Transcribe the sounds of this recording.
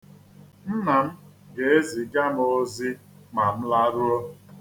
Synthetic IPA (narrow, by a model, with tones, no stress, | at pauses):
n̩˦na˨m̩˦ | ɡe˨e˦zi˨ɡa˦mo˦zi˦ | ma˨m̩˦la˦ɾu˦ɔ˦